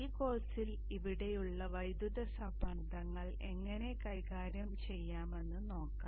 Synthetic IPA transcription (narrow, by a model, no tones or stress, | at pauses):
iːko̞ːsil | iʋiɽe̞juɭːɐʋɐjd̪juðɐsɐbɐɳd̪ɐŋːɐɭ | e̞ŋːɐne̞kɐjkaːɾjɐmt͡ɕe̞jːaːme̞nːɨno̞ːkːaː